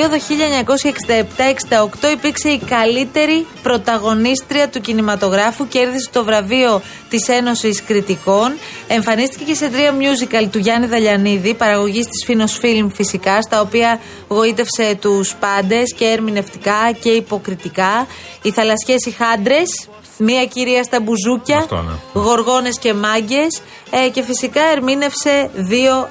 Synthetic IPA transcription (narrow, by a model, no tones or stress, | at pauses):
oðo̞çiʎɐeɲɐko̞sçɐeksind̪ɐept̪ɐe̞ksind̪ɐo̞kt̪o̞ipiɾkse̞ikɐlit̪e̞ɾipɾo̞t̪ɐɣo̞nist̪ɾiɐt̪ucinimɐt̪o̞ɣɾɐfuceɾðiset̪o̞vɾɐvio̞ | t̪ise̞no̞siskɾit̪iko̞n | e̞ɱfɐnist̪icece̞se̞t̪ɾiɐmɲuzikɐlt̪uʝɐniðɐʎɐniðipɐɾɐɣo̞ʝist̪i̥sfino̞sfilmfisikɐst̪ɐo̞piɐ | ɣo̞it̪e̞fse̞t̪uspɐnd̪e̞sce̞eɾmine̞ft̪ikɐce̞ipo̞kɾit̪ikɐ | iθɐlɐsçe̞sixɐnd̪ɾe̞s | miɐciɾiɐst̪ɐbuzucɐtn̰ɣo̞ɾɣo̞ne̞sce̞mɐɲɟe̞s | ce̞fisikɐe̞ɾmine̞fse̞ðio̞